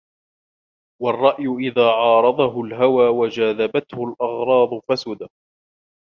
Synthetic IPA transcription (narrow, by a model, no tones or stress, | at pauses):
wɑrˤːɑʔjʊʔɪðaːʕɑːɾˤɑd̪ˤɑɦʊlɦawaːwad͡ʒaːðabat̪hʊlʔɑɣɾˤɑːd̪ˤfasʊd̪a